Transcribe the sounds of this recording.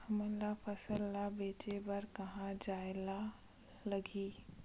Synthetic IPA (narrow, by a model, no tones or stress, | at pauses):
hɐmə̃lapʰəsəlːabeːt͡ʃebɐɾkɐɦãd͡ʒaːela | ləɡiː